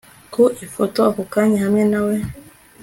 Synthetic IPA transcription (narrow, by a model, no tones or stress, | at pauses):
kuʔifɔtɔakokaɲɛhamɛnawɛ